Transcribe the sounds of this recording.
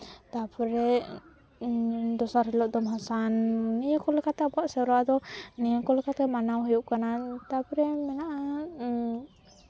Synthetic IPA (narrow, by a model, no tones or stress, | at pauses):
t̪apɾɛ | d̪ɔsaɾhɛlɔʔd̪ɔmɦasanːijɔkɔlɛkat̪ɛabɔaʔsɛɾwad̪ɔnijəkɔlɛkat̪ɛmanawɦujuʔkanat̪apɾɛmɛnaʔa